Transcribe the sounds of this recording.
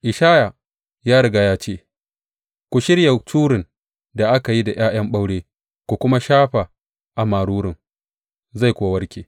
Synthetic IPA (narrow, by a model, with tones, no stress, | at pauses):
ʔɪ˨ʃaː˦ja˨ | jaː˦ɽɐ˨ɡa˨jaː˦t͡ʃeː˦˨ | kʷu˨ʃɪ˦ɾja˨tʰuː˦ɾɪ˨n | da˨ʔa˦ka˨ji˦da˨j̰aː˦j̰ɐ˦mɓa˦wɽeː˦ | kʷu˨kʷʊ˦ma˦ʃaː˦ɸa˨ | ʔa˨maː˨ɽuː˦ɽɪ˨ŋ | za˦˨jkʷːwɐ˦rkʲeː˨